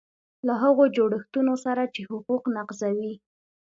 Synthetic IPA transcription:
laɦaɣod͡ʒoɽəxt̪unosaɾat͡ʃehʊquqnaqzawi

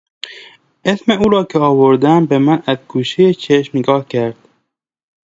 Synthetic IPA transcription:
esmeuːɾɒːkʰeɒːvoɾd̪æmbemænæzɡuːʃejet͡ʃʰeʃmneɡɒːhcʰæɾd̪̥

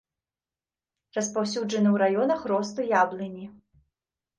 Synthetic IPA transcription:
rɐspawsʲud͡ʐɐnɨwɾajɔnɐxɾɔst̪ɨjablˠɨnʲi

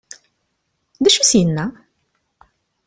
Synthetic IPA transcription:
ðæʃusjənːæ

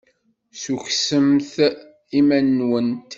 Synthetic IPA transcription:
suçsəmθ | imænːwənt̪

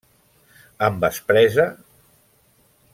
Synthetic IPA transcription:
əmbəspɾɛzə

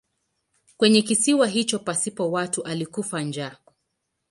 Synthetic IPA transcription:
kwɛɲɛk̬isiwaɦit͡ʃɔpasipɔwatuʔalikufaɲd͡ʒa

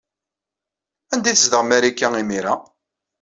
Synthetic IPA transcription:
ænd̪iθəzd̪əʁmæɾikːæimiɾa

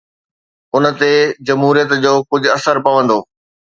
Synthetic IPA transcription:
ʊnət̪ed͡ʑɐmɦuːɾijət̪d͡ʑoːkʊd͡ʑʱʊ̆ɐsəɾpɐʋə̃nd̪oː

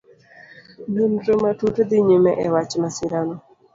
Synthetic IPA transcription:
benɾomatutd̪ɪɲumɛʔɛwat͡ʃmasɪɾanɔ

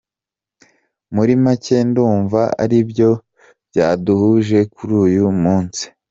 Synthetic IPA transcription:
muɾimace̞nduːɱvaa̰ɾibjo̞ | bjaːduhuʒe̞kʰuɾuːjumuːnt͡si̥

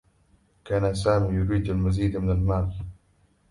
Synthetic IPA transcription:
kaːnas̬aːmiːjʊɾiːd̪almaziːd̪mɪnalmaːl

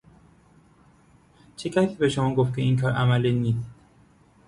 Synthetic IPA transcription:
t͡ʃʰecʰæsiːbe̞ʃomɒːɡoft̪̚cʰe̞iːŋkʰɒːɾʔæmæliniːsd̪̥

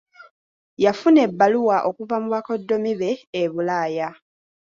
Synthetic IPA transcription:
jafune̞bːaluwaʔo̞kuvamuβako̞dːo̞miβe̞ːβulaːja

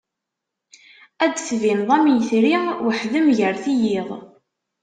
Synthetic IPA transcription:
æd̪θvinðˤæmjəθɾiwəħðəmʝəɾθijɪʁˤ

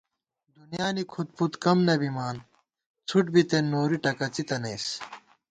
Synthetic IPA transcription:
d̪unjaːnikʰut̪̚put̪kɐmnɐbimaːn | t͡sʰuʈ̚bit̪enːoːɾiʈɐkɐt͡sit̪ɐneːs

